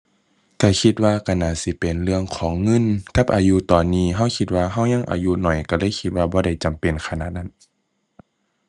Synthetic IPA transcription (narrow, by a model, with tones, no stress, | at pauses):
k̪ɛː˧˩kʰi˧t̪̚waː˧kʰa˧˩naː˧˩si˧˦pe˨˩nlɯ˧əŋkʰɔː˨˦ŋːɤ˧˥˨nka˧˦p̚ʔaː˨ju˧˨t̪ɔː˨nːiː˧˩ɦa˧˩˨wkʰi˧t̪̚waː˧ɦa˧˥˩wɲa˧˥˨ŋʔa̰ː˨ju˧˥nɔ˨˩jka˧˩lɤː˧˥˨jkʰi˧t̪̚waː˧bɔː˧˦ɾa˧˩jt͡ɕa˨mpe˨nkʰa˧na̰˧t̪̚na˧˥˩n